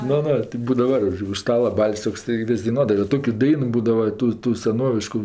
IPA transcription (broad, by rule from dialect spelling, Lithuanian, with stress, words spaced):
ˈnʊ ˈnʊ tʲɪk ˈbuːdɐʋɐ ʊʃ ˈstɑːlˠɐ ˈbɐlʲsʲ toːkˈsɐɪ ˈʋʲɪsʲ dɐɪˈnuɔdɐʋɐ jɛʊ ˈtoːkʲʊ ˈdɐɪnʊ ˈbuːdɐʋɐ ˈtuː ˈtuː sʲɛˈnoːʋʲɪʃkʊ